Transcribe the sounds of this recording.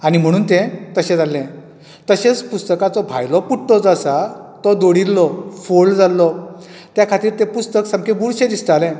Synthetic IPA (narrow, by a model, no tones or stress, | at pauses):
aɽ̃im̤əɽ̃uːnt̪ẽt̪əɕẽd͡zalːɛ̃ | t̪əɕet͡spust̪əkat͡sɔbʱa̰jlɔpuʈʈɔd͡zəsat̪ɔd̪oɽillɔfold͡zalːɔ | t̪jakʰat̪iːɾt̪ẽpust̪əksãmkẽbuɽɕẽd̪isʈ̪alɛ̃